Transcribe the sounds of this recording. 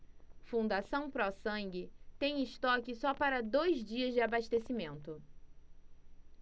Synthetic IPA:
fũnd̪asɐ̃w̃pɾɔsɐ̃ŋɡɪt̪ẽj̃ɪʃt̪ɔkɪsɔpaɾɐd̪ojzd͡ʒiɐzd͡ʒɪabaʃt̪esimẽnt̪ʊ

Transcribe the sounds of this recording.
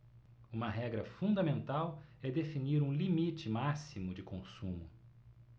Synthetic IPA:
ũmɐɦɛɡɾɐfũnd̪ɐmẽnt̪awɛd̪efiniɾũlimit͡ʃɪmasimʊd͡ʒɪkõsũmʊ

